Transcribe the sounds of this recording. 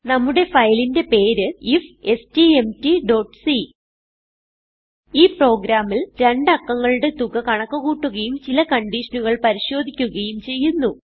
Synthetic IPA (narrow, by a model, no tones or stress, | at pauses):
nɐmːuɽe̞fɐjlinde̞pe̞ːɾɨife̞stiemtiɖo̞ːʈːsi | iːpro̞ːɡɾaːmːilɾe̞ɳɖɐkːɐŋːɐɭuɽe̞t̪uɣɐkɐɳɐkːɐɣuːʈːuɣɐjumt͡ɕilɐkɐɳɖiʂɐnuɣɐɭpɐɾiɕo̞ːd̪ʱikʲːuɣɐjumt͡ɕe̞jːunːu